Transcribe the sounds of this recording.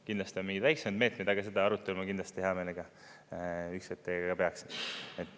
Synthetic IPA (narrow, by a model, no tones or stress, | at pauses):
kind̪lɑst̪ionmiŋɡid̪væjksemɑd̪me̞ːt̪mejd̪ɑɡ̥ɑs̬e̞d̪̥ɑɑɾut̪ːˑelmɑkind̪lɑst̪iheɑmeleɡ̥ɑ | ykset̪ːeɡɡɑpeɑkseet̪ːˑ